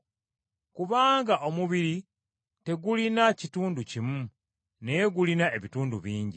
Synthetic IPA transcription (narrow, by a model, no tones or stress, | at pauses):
kuβaːŋɡaʔomuβiɾi | te̞ɡulinacituːnducimu | nejeɡulinae̞βituːndṵβiːɲɟi